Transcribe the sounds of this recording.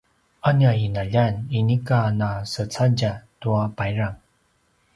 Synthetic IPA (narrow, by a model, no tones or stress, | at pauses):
anainaʎaninikanasət͡saɟatuapajɾaŋ